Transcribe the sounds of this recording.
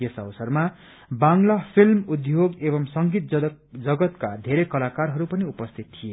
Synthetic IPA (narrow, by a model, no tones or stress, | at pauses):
jesʌbʌsʌrma | baŋlapʰilmud̪joɡebʌmsʌŋɡit̪̚ | d͡zʌɡʌt̪kad̪ʱeɾekʌlakarɦʌɾupʌniupʌst̪ʰit̪t̪ʰːije